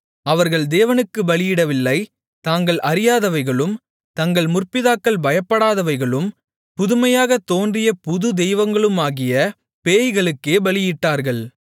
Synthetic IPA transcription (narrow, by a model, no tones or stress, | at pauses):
ɐʋɐɾɣɐɭd̪eːʋɐnɯkːɯbɐɭɪjɪɽɐʋɪlːɐɪ | t̪aːŋɡɐɭʔɐɾɪjaːðɐʋɐɪɣɐɭɯm | t̪ɐŋɡɐɭmʊrpɪðaːkːɐɭbɐjɐpːɐɽaːðɐʋɐɪɣɐɭɯm | pʊðʊmɐjaːɣɐt̪oːndrɪjɐpʊðɯd̪ɛjʋɐŋɡɐɭɯmaːɣɪjɐ | peːjɣɐɭɯkːeːbɐɭɪjɪʈːaːɾɣɐɭ